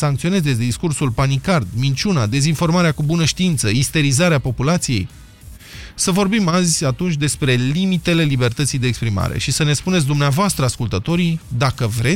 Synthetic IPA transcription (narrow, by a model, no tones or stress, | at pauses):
saŋkt̪sio̞ne̞zesʲd̪iskursulpanikard̪mint͡ʃunad̪e̞zinfo̞rmaɾeakubunəʃt̪iint̪səist̪e̞ɾizaɾeapo̞pulat̪sije̞̰j | səvo̞rbimazʲat̪unt͡ʃʲd̪e̞spɾe̞limit̪e̞le̞libe̞rt̪ət̪sijd̪eːkspɾima̰ɾe̞̰ʃisəne̞tspunes̬ʲd̪umneavoast̪ɾəaskult̪ət̪o̞ɾid̪akəvɾe̞